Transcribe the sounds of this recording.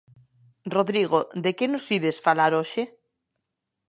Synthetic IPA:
roðɾiɣ̞od̪ekenosiðesfalaɾoʃe

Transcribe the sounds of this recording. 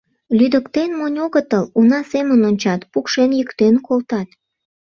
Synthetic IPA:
lyd̪əkt̪enmonʲoɣət̪əlunɑsemənonʲt͡ɕɑt̪pukʃenjəkt̪enkolt̪ɑt̪

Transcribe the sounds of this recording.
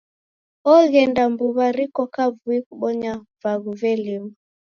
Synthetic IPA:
ɔɣɛndambuβaɾikɔkavuikuɓɔɲa | vaɣuvɛlima

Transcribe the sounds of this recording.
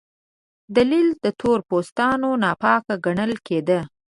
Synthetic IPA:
d̪alild̪ət̪ʰoɾpost̪ɑnonɑpɑkaɡaɳəlked̪ə

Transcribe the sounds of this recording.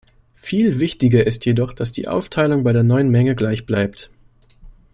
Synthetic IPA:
fiːlvɪçtɪɡɐʔɪstjedɔχd̥asd̥ḭːʔa̰ʊftʰaɪlʊŋbaɪdeːɐnɔʏənmɛŋəɡlaɪçb̥laɪp̚t

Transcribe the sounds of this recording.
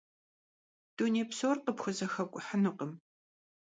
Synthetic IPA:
d̥uneːpsoːrqəpxʷʊzɐxɐkʷʼʊħənɨqəm

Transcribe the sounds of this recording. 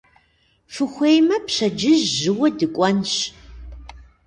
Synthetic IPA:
fɨxʷejmɐpɕɐd͡ʒɪʑːɨwɐdɨkʷʼɔnɕ

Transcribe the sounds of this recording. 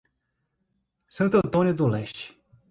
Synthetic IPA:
sɐ̃nt̪ɐ̃t̪õnʲjud̪ʊlɛst͡ʃi̥

